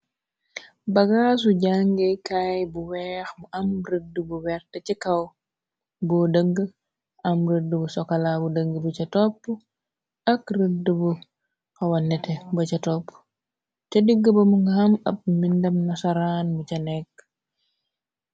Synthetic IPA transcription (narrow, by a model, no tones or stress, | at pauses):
bɐɡaːsuɟaŋɡekajbuwɛːxmuʔɐmrədːəbuwɛɾtɐcikɐw | bɔdəŋɡə | ʔɐmɾədːəbusɔkɐlabudəŋɡəbut͡ʃɐtɔpː | ɐkrədəbu | kɐwɐnːɛtɛbɐt͡ʃɐtɔpː | t͡ʃɐdiɡːəbɐmuŋɡhɐmɐp̚mindɐmnɐsaɾanmut͡ʃɐnɛkː